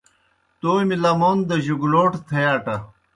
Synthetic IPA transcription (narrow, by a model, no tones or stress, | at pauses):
t̪oːmilɐmoːnd̪ɐʑuɡuloːʈt̪ʰejaːʈɐ